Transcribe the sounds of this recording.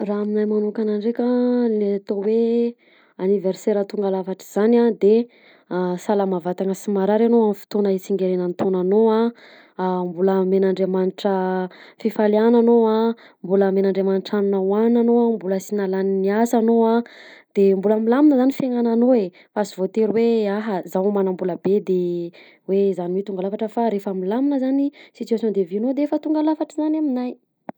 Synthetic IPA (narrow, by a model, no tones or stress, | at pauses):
raːminajmanukanaɳɖ͡ʐekʲalat̪owe | aniverseɾat̪uŋɡalafaʈ͡ʂi̥z̥anad̪e | salamavat̪aŋəsimaɾaɾanoamfi̥t̪onəit͡siŋɡeɾenənt̪ʰonanoa | mbuləmenaɳɖ͡ʐemaniʈ͡ʂəfifaliananoa | mbuləmenaɳɖ͡ʐemaniʈ͡ʂanunawananoambuləsinalaniniasanoad̪̥embulamilaminəzanifeŋananoe | fasivot̪eɾweaɦəzawmanambuləbed̪e | wezaniwet̪uŋɡalafaʈ͡ʂəfaɾefamilaminəzanisit̪yasõnd̪eviunod̪eefət̪uŋɡalafaʈ͡ʂəzanaminaj